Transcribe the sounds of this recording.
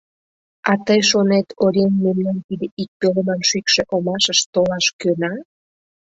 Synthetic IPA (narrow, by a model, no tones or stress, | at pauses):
ɑt̪əjʃonet̪oɾʲenːemnɑnt̪id̪eʔik̚pøləmɑnʃykʃeʔomɑʃəʃt̪olɑʃkønɑ